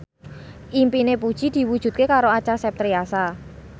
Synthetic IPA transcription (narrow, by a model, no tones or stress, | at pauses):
ʔimpinepud̥ʒ̥i̤d̪̥i̤wud̥ʒ̥ṳt̪̚kekaɾoat͡ʃasɛp̚t̪ɾiasa